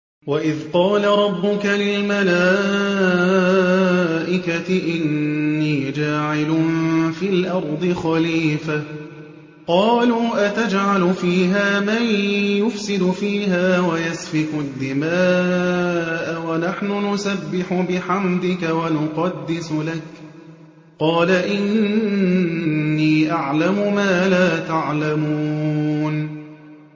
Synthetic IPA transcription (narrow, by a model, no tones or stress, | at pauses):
waʔɪðqɑːlaɾˤɑbːʊkalɪlmalaː | ʔɪkat̪ɪʔɪnːiːd͡ʒaːʕɪlʊnfiːlʔɑɾˤd̪ˤɨxɑliːfa | qɑːluːʔat̪ad͡ʒʕalʊfiːɦaːmanjʊfsɪd̪ʊfiːɦaːwajasfɪkʊd̪ːɪmaː | ʔawanaħnʊnʊsabːɪħʊbɪħamd̪ɪkawanʊqɑd̪ːɪsʊlak | qɑːlaʔɪn | iːʔaʕlamʊmaːlaːt̪aʕlamuun